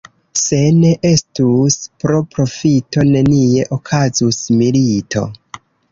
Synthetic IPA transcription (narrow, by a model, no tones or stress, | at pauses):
se̞ne̞ʔe̞stuspɾo̞pɾo̞fito̞ne̞nie̞ʔokʰazusmilitʰo̞̰